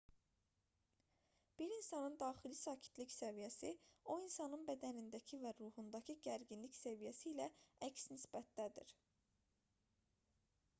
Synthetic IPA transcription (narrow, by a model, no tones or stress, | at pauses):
b̥iɾinsɑnɯnd̪ɑːχilisɑːcʰi̥t̪ʰlicsævijæsio̞insɑnɯnbæd̪ænind̪æcʰivæɾuːhund̪ɑcʰiɟæɾɟinliçsævijæsiːlææcsnisbæt̪̚d̪æd̪ḭɾ